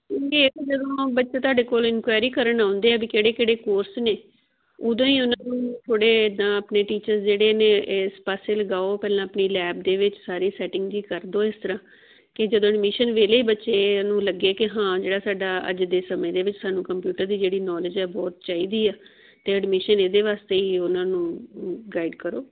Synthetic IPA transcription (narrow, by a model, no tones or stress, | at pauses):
kekd͡ʒəd̪õːbətːʃeːt̪ʊaːɖeːkoːlɪnkwaːjɾiːkəɾəɳãːʊnd̪eːɛːbiːkeːɽeːkeːɽeːkoːɾsneː | ʊd̪õːiːʊnãːnũːt̪ʰoːɽeːd̪ãːəpneːʈiːt͡ʃəɾsd͡ʒeːɽeːneːespaːseːləɡaːopɛːlãːəpniːlɛːbd̪eːʋɪt͡ʃsaːɾiːsɛːʈɪ̃ŋɡd͡ʒiːkəɾd̪oːɪst̪əɾãː | kɪd͡ʒəd̪õːəɖmɪːʃənʋeːleːiːbətːʃeːnũːləɡːeːkɪɦãːd͡ʒeːɽaːsaːɖaːə̰d͡ʒd̪eːsəmẽːd̪eːʋɪt͡ʃsaːnũːkəmpjuːʈəɾd̪iːd͡ʒeːɽiːnɔːlɪd͡ʒɛːbɔːt̪t͡ʃaːiːd̪iːaː | t̪eːəɖmɪʃəneːd̪eːʋaːst̪eːiːʊnãːnũːɡaːiɖkəɾoː